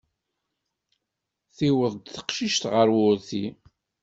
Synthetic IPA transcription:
θiwəðˤd̪θə̥qʃiʃt̪ʁəɾwʊɾθi

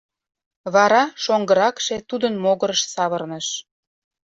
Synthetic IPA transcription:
βɑɾɑʃoŋɡəɾɑkʃet̪ud̪ənmoɣəɾəʃsɑβərnəʃ

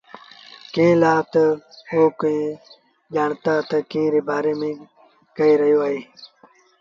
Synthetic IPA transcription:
kẽːlaːt̪ɐoːkuĩ | d͡ʒaːɳt̪aːt̪ɐkĩːɾeːbaːɾeːmẽː | kɐiɾɐjoːaːiː

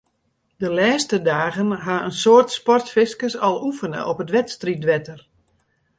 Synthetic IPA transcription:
dəlɛːstədaːɣənɦaənsoərtspɔrtfɪskəsɔlˠufənə̰ʔɔpətʋɛtstritʋɛtər

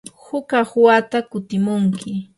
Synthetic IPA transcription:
hʊkahʊwat̪akʊt̪ɪmʊŋkɪ

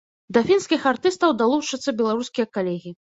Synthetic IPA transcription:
d̪ɐfʲinskʲixart̪ɨst̪ɐwd̪alˠut͡ʂɐt̪sːɐbʲɛlˠaɾuskʲijɐkalʲɛɣʲi

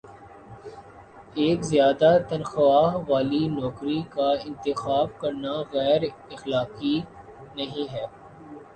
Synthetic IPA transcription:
eːkzjaːd̪at̪ɐnxʋaːɦʋaːlinɔːkɾikaɪ̃nt̪ɪxaːbkɐɾnaɣɛːɾ | ɪxlaːki | nɐɦĩɦɛː

